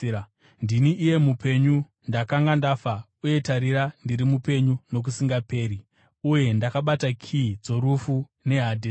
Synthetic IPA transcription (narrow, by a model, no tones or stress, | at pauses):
ndiniʔːje̞mupe̞ɲu | ndakaŋɡandafa | uje̞taɾiɾandiɾimupe̞ɲuno̞k̬usiŋɡape̞ːɾi | uje̞ndakaɓatakʰid͡zo̞ɾufu | ne̞ɦadʱe